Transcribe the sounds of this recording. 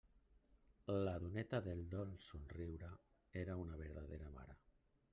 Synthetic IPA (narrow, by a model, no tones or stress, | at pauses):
laðunet̪aðeld̪ɔlsunriwɾa | eɾaunaβeɾðaðeɾama̰ɾa